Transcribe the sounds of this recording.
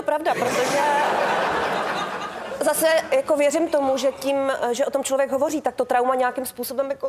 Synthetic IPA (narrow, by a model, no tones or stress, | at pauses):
t̪opɾavdapɾot̪oʒɛ | zasɛjakovjɛrɪmt̪o̞muʒɛcimʒɛʔo̞t̪omt͡ʃlovjɛɡɦovo̞riːt̪akt̪ot̪ɾawmaɲɛakɪmspuːso̞bɛmjako